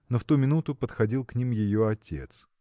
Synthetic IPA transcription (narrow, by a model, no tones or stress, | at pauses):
noft̪umʲɪnut̪ʊpət̪xɐdʲilˠknʲimjɪjoɐtʲe̞̰t̪s